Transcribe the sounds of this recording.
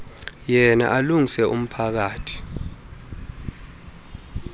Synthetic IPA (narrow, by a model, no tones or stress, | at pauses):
jɛna̰ʔaluŋisɛʔṵm̩pʰak̬aːtʰi̥